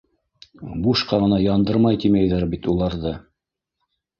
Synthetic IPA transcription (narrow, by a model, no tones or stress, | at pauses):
buʃqɑʁɤ̆nɑjɑnd̪ɤɾmɑjt̪imæjðæɾbit̪ulˠɑɾðɤ